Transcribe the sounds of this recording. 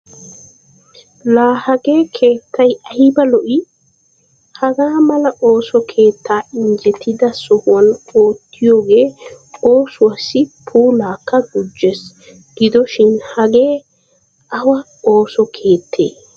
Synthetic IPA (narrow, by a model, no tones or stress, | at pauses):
laːhɐɡe̞ːkʰe̞ːt̪ːɐjɐjɪbɐlɔʔɪ | hɐɡaːmɐlɐʔo̞ːsɔkʰe̞ːt̪ːaːɪɲd͡ʒɛt̪ʰɪd̪ɐsʊhʊɐno̞ːt̪ːɪjo̞ːɡe̞ːo̞ːsʊwɐsːɪpʰuːlaːkːɐɡʊd͡ʒːɛs | ɡ̥ɪd̪ɔʃɪnhɐɡeː | ʔɐwɐ | oːsɔkʰe̞ːt̪ʰːḛː